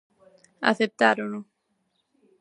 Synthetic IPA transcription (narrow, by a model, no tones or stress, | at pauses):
a̰θep̚t̪aɾunu